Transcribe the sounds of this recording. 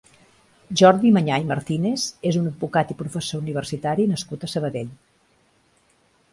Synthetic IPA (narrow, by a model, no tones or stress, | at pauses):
ʒɔɾðiməɲajməɾt̪inezezunəd̪̚bukat̪ipɾufəsouniβ̞ərsit̪aɾinəskut̪əsəβəðeʎ